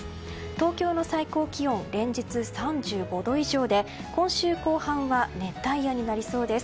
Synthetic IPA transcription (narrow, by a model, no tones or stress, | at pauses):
t̪o̞ːkʲo̞ːno̞saiko̞ːkʲiõ̞nɾẽ̞ɲ̟d͡ʑit͡sɨsãɲd͡ʑɨːɡo̞d̪o̞iʑo̞ːd̪e̞ | kõ̞ɰ̃ɕɨːko̞ːhãβane̞t̪ːaijaɲ̟inaɾʲiso̞ːd̪e̞sɨ̥